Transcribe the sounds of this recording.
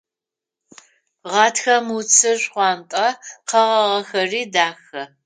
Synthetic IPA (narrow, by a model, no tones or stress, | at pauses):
ʁɑːtxɐmut͡sʰɨɕʷχʷɑːntʼɐqɐʁɐʁɐxɐriːdaːxɐ